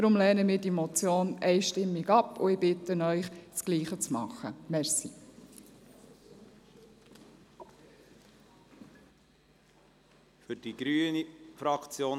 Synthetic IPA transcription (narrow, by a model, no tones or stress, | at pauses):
d̥̪ɾʊmlɛːnəmɪːɾdiemɔt͡sjoːnɛɪʃtɪmːiɡɑpːʊɪbɪt̪ənœʏχskliːχət͡smɑ̰χːə̰mɛɾsi | fʏɾd̥iɡ̥ɾyːənifɾɑkt͡sjoː